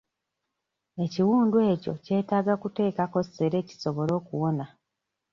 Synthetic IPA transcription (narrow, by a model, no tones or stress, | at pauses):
e̞ciwuːndwe̞ːco̞̰ce̞ːtaːɡakute̞ːkako̞se̞ɾe̞ːci̥so̞βo̞lo̞ːkuwo̞na